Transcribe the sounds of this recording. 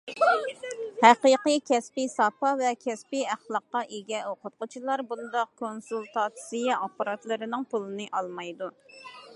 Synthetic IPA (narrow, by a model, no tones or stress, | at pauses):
hæqiqɨkʲʰɛspisɑpɑvɛkʲʰɛspiæχlˠɑqːɑʔeɡʲɛoqʊt̪̚qʊt͡ʃʰilˠɑɾbund̪ɑq̚kʰonsulˠt̪ʰɑːt̪sijɑʔɑpːɑɾɑt̪lˠɨɾɪnɪŋpulˠɨnɨʔɑlˠmɑjd̪u